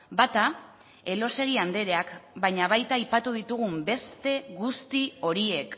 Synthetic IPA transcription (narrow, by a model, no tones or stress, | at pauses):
bat̪a | e̞lo̞se̞ɣ̞iand̪e̞ɾe̞akbajɲaβ̞ajt̪aːjpat̪uðit̪uɣ̞umbe̞st̪e̞ɣust̪io̞ɾie̞k